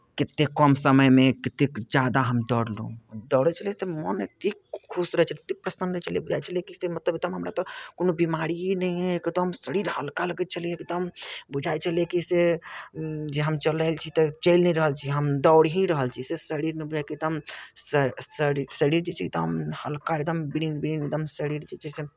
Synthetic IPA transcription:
kit̪ːekːəmsəməjmekit̪ekd͡ʒad̪aɦəmd̪ɔɽlṵ̃d̪ɔwɽɛt͡ʃʰəlit̪ɔmənet̪ikkʰːusɾəɦɛt͡ʃʰəlt̪ik̚pɾəsənd̪ɾɦt͡ʃʰəliebud͡ʒʱajt͡ʃʰəlekisemət̪ləbet̪əmɦəmɾat̪ɔkonobimaɾiinəiẽekd̪əmsəɾiɾhəlkaləɡɛt̪̚t͡ʃʰəlieekd̪əmbud͡ʒʱajt͡ʃʰəliekise | d͡ʒeɦəmt͡ʃələlt͡ʃʰit̪t͡ʃəɪlnɛɾəɦəlt͡ʃʰiɦəmd̪ɔwɽɦĩɾəɦəlt͡ʃʰisesəɾiɾnɛbud͡ʒʱajkit̪əm | sisəɾiɾd͡ʒet͡ʃʰiit̪ɔɦəmhəlkaek̚d̪əmbiɾinbiɾinek̚d̪əmsəɾiɾd͡ʒet͡ʃʰɛse

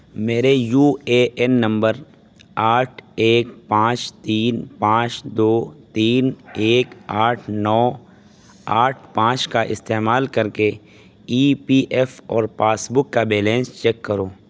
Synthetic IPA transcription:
meːɾejuːeːɛnːɐ̃mbəɾ | aːʈʰeːkpãːt͡ʃt̪iːnpãːt͡ʃd̪oːt̪iːneːkaːʈʰnɔː | aːʈʰpãːt͡ʃkaʔɪ̰st̪eːmaːlkɐɾke | iːpiːʔɛfɔːɾpaːsbʊkːabeːlẽːnst͡ʃɛːkːɐɾoː

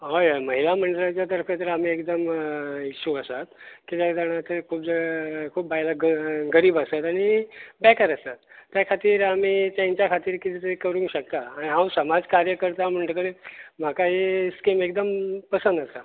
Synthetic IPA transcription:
ɦojməɦilam̤əɳɖəlat͡ɕjat̪əɾfʰet̪əɾam̤iːekd̪əmiɕʰuəsat̪kit̪jad͡zaɽ̃at̪əkʰuːp̚d͡zəkʰuːp̚baɦilaɡəɾiːbasat̪aɽ̃ibɛkaɾəsat̪ːjakʰat̪iːɾam̤iːt̪ãɲt͡ɕjakʰat̪iːɾkit̪ʰiːt̪ekəɾũŋkɕək̚t̪aːɽiɦãwsəmad͡zkaɾjəkəɾt̪am̤əɳɖək̬əɽem̤akaɦeskemekd̪əmpəsənd̪asa

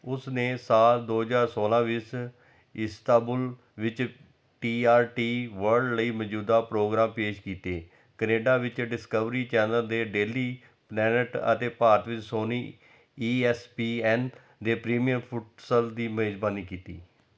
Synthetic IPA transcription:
ʊsneːsaːld̪oːɦəzaːɾsoːlãːʋɪs | ɪst̪aːbʊl | ʋɪt͡ʃ | ʈiːaːɾʈiːʋəɾɖləiːməd͡ʒuːd̪aːpɾoːɡɾaːmpeːʃkiːt̪eː | kəneːɖaːʋɪt͡ʃɖɪskəʋɾiːt͡ʃɛːnəld̪eːɖeːliː | plɛːnəʈə̰t̪eːpaːɾt̪ʋɪt͡ʃsoːniː | iːɛːspiːɛːn | d̪eːpɾiːmijəɾpʰʊʈsəld̪iːmeːd͡ʒbaːniːkiːt̪iː

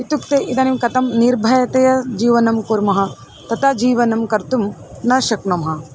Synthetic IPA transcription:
it̪ukt̪eːʔid̪aːnimkɐt̪ɐmniɾbʱɐjɐt̪ɐjɐd͡ʒiːʋɐnɐmkuːɾmɐɦɐ̆ | t̪ɐt̪ʰad͡ʒiːʋɐnɐmkɐɾt̪umnɐʃɐkɳɐmɦɐ̆

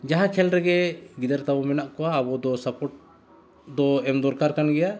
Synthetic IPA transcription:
d͡ʒaɦãkʰɛlɾɛɡɛɡid̪aɾt̪abɔmɛnaʔkɔaːbɔd̪ɔsapɔʈ̚ | d̪ɔɛmd̪ɔɾkaɾkanɡɛja

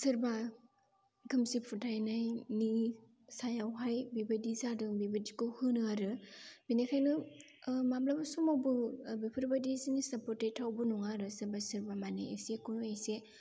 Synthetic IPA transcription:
sɯɾba | ɡɯmsipʰutʰajnajni | sajawɦajbibadizadɯŋbibadikɯhɯnɯaɾɯbinekʰajnɯ | mamlabasumabɯbipʰɯɾbadizinisapɔɾtejtʰawbɯnɔŋaɾɯsɯɾbasɯɾbamaneesekɔnese

